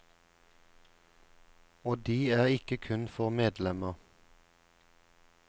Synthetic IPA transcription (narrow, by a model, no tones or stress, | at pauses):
oːd̪iːæːʁɪkəkʰʉnfɔʁmeːd̪lɛməʁ